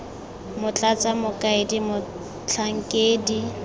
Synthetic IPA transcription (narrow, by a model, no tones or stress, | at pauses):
mʊt͡ɬʼat͡sʼamʊkʼaedimʊ | t͡ɬʰaŋ̩kʼeːdi